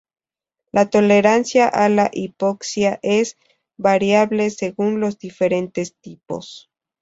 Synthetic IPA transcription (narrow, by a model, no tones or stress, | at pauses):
lʔat̪o̞le̞ɾansjaʔalaʔipoksjaʔez | βaɾjaβle̞se̞ɣunlo̞zd̪ife̞ɾe̞nt̪e̞st̪ipo̞̰s